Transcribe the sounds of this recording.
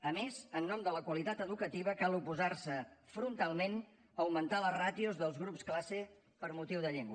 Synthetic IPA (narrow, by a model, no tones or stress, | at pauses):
əmezənːɔmd̪ələkwəlit̪at̪əðukət̪iβəkalupuzarsəfɾunt̪alˠmen | əwmənt̪alərat̪iuzðəlˠzɣɾupsklase | pəɾmut̪iwðəʎeŋɡwə